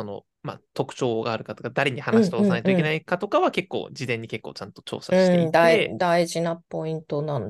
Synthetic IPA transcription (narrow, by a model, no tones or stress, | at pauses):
so̞no̞̰ | ma̰t̪o̞kɯ̟̥t͡ɕo̞ːɡaːɾɯ̟kat̪o̞kad̪aɾe̞ɲ̟ihanait̪osanaet̪oikenaikat̪o̞kaβake̞kːo̰ːd͡ʑid̪ẽ̞ɲ̟ːike̞kːoːt͡ɕãnt̪o̞̥t͡ɕo̰ːsaɕɯĩ̥eeid̪aeid̪aiʑinapo̞ĩnt̪o̞nãn